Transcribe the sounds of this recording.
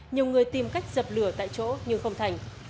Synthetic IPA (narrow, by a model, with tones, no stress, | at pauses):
ɲi˨˩əwŋɨ˨˩əjt̪i˨˩mka˦˥jk̟̚z̥ə˨˩p̚lɨ˧˩ət̪a̰ː˧˨jt͡ɕo̰˧˥ɲɨ˧ŋxə˧wŋ͡mt̪ʰa˨˩jŋ̟